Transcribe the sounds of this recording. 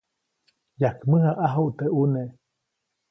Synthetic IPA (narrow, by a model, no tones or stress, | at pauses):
jakmɨhaʔaɦoʔt̪eʔuneʔ